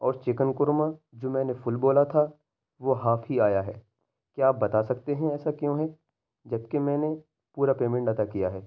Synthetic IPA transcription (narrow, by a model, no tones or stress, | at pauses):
ɔːɾt͡ʃɪkənkʊɾmãd͡ʒoːmɛ̃ːnefʊlboːlat̪ʰa | ʋoɦaːfʰɦiaːjaɦɛː | kjaːbɐt̪asɐkt̪eɦɛ̃ɛːsakjõːɦɛ | d͡ʒɐbkemɛ̃ːne | puːɾapeːmɛ̃ɳʈat̪akijaɦɛː